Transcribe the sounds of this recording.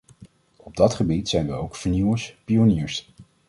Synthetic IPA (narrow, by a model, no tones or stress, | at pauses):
ɔb̚dɑtχəbitsɛjnʋəowkfəɹniwəspionɪːɹs